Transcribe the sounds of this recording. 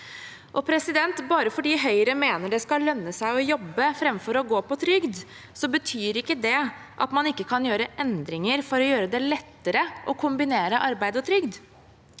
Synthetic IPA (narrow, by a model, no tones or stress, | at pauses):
ʔɔpʰɾɛsɪd̪ɛnt̪bɑːɾəfɔɖiːɦœʏɾəmeːnəɖɛskɑlœnːəsæɪɔjɔbːəfɾɛmfɔɾɔɡoːpɔt̪ʰɾʏɡd̪ | sɔbət̪ʰyːɾɪkːəd̪ɛ | ʔɑ̰t̪mɑnɪkːəkʰɑnjøːɾəʔɛnd̪ɾɪŋəɾfɔɾɔjøːɾəd̪ɛlɛt̪ːəɾəʔɔkʰʊmbɪneːɾəʔɑɾbæɪd̪ɔt̪ʰɾʏɡd̪